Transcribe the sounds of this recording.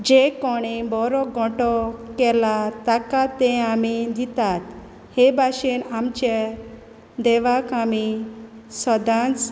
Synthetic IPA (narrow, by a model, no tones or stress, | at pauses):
d͡ʑekɔɽ̃ibɔɾɔɡʱɔ̃ʈɔkɛlat̪akat̪ɛ̃amid̪it̪at̪ | hebʱaɕinamt͡ɕe | d̪ɛʋakami | sɔd̪ãt͡s